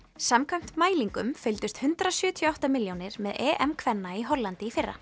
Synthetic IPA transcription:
samkʰvam̥t̪maːjliŋkʏmfɪlt̪ʏst̪hʏnt̪ɾasjʏːt̪ʰjɔawht̪amɪljownɪɾmɛðɛːʔɛmkʰvɛnːaiɦɔlːant̪ɪifɪrːa̰

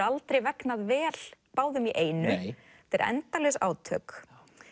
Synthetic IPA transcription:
alt̪ɾejvɛknaðvɛːl̥paːwðʏmiʔeːjnʏ | t̪ɛɾɛ̰nt̪alɛsa̰ːwt̪ʰœːk

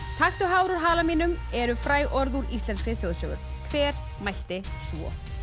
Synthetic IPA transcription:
t̪ʰaxt̪ʏɦaːwɾɔɾ̥ɦaːlamiːnʏmɛɾʏfɾaːjʔɔɾðuɾist̪ɛnskɾɪθjowðsœːɣʏ̰ɾ̥kʰvɛːɾ̥ | majl̥t̪ɪsvɔ̰

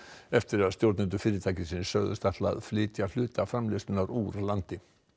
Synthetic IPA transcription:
ɛft̪ɪɾaðst̪jowɾt̪nɪnt̪̬ʏfɪːɾɪt̪ʰaːcɪsinsœːɣðʏ̰st̪aht̪la̰ðflɪːt̪jal̥ʏːt̪afɾamlɪst̪ʏnaɾuːɾlant̪ɪ

